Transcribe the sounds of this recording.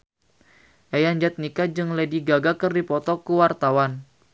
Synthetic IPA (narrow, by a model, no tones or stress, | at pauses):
ʔajaɲd͡ʒat̪̚nikad͡ʒɨŋlediɡaɡakɨrdipɔt̪ɔkuwart̪awan